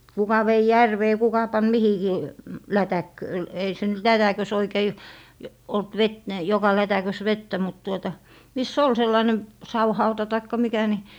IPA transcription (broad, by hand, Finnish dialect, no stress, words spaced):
kukɑ ʋei jærʋeː kukɑ pɑn mihikiː lætækːø ei se nyt lætækøs oikei olt ʋet ni jokɑ lætækøs ʋetːæ mut tuotɑ misː ol selːɑĭne sɑwhɑutɑ tɑikːɑ mikæ ni